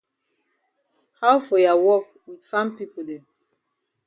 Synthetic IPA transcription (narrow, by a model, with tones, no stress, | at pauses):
ha˦wfɔ˨ja˨wɔ˦k | widfã˦mpi˦po˨dɛ̃˨